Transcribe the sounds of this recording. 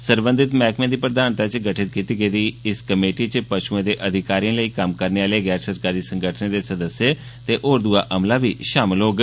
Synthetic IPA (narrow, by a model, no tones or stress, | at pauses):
səɾbə̃nd̪ɪt̪mɛːkmẽːd̪iːpɾəd̪aːnt̪aːt͡ʃɡəʈʰɪt̪̚kit̪iːɡəiːd̪iːɪskəmeːʈiːt͡ʃəpəʃuːẽːd̪eːʔəd̪ʱɪkaːɾijãːləiːkəmkəɾneːaːleːɡɛːɾsəɾkaːɾiːsəŋɡəʈʰnẽːd̪eːsəd̪əsjeː | t̪eːʔoːɾd̪uaːʔəmlaːbiːʃaːmɪlɦoːɡ